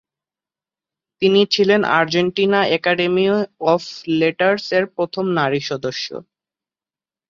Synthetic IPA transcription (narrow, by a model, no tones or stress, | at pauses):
t̪init͡ɕʰilena̰ɾd͡ʑeɳʈinaɛkaɖemiɔfleʈaɾseɾpɾot̪ʰomnaɾiʃɔd̪oʃːo̰